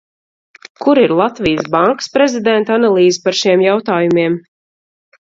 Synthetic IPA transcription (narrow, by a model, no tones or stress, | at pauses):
kuɾiɾlˠat̪vijəsbaŋkə̥spɾezid̪ɛnt̪analˠiːzipaɾʃiɛmjawt̪aːjumiɛm